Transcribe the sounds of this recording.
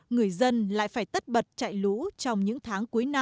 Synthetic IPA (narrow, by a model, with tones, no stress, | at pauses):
ŋɨ˨˩əjzə˧nla̰ː˧˨jfaː˧˩jt̪ə˦˥t̚ɓə˨˩t̚t͡ɕa̰ː˧˨jlu˧˥t͡ɕɔ˧wŋ͡mɲɨ̰˧˥ŋt̪ʰaː˨˦ŋku˨˦jna˧